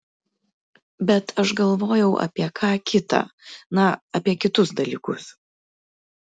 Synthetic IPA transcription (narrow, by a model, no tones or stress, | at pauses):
bʲɛt̪ʰɐʃɡɐlˠʋoːjɛʊʔɐ̰pʲiɛkʰɑːkʲɪt̪ɑ̰ːnɐɐpʲiɛkʲɪt̪ʊsd̪ɐlʲiːkʊs